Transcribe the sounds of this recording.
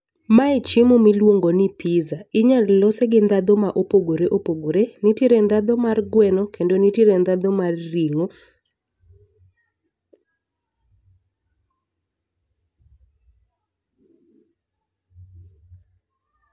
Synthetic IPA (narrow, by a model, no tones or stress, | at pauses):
mait͡ʃimumilwoŋɡonɪpʰizaɪɲallɔseɡɪnd̪ad̪ɔmaʔopoɡoɾeʔopoɡoɾenitiɾend̪ad̪ɔmarɡwɛnɔkendonitiɾend̪ad̪ɔmarːiŋo